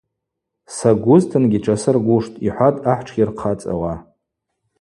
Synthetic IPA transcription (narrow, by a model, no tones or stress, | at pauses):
saɡʷʊztʰɨnɡʲiʈ͡ʂʰasɨrɡʷuʂtʼiħʷatʼaħʷʈ͡ʂʰɡʲirqʰat͡sʼa̰wa